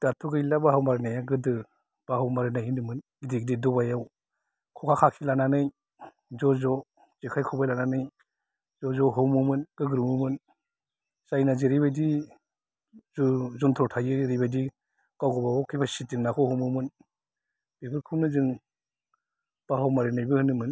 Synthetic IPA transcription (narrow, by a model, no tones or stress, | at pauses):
d̥atʰuɡɯjlabahawmaɾnajaɡɯdɯ | b̥aɦawmaɾɯnajhinɯmɯnɡidiɡdidɔbajaw | kʰɔkʰakʰakʰilananɯj | zɔzɔ | z̥ikʰajkʰɔbajlananɯj | zɔzɔɦɯwmumɯnɡ̥ɯɡɯɾmumɯn | z̥ajnaziɾijbajdi | zɔntʰɔtʰajɯɾijbajdi | kawɡɔbaɔkʰijbasitiŋnakʰɔhɔwmɯmɯn | b̥ibɯɾkʰɯnɯzɯŋ | b̥aɦawmaɾɯnajbɯhɯnːɯmɯn